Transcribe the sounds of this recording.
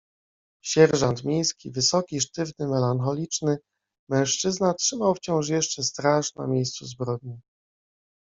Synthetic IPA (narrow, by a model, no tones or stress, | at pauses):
ɕɛɾʐant̪mʲjejskʲivɘsɔkʲiʂt̪ɘvnɘmɛlaŋxɔlʲit͡ʂnɘ | mɛ̃w̃ʂt͡ʂɘznatʂɘmawft͡ɕɔ̃w̃ʂ̬jɛʂt͡ʂɛst̪ɾaʂna̰mʲjejst̪suzbɾɔd̪̚ɲi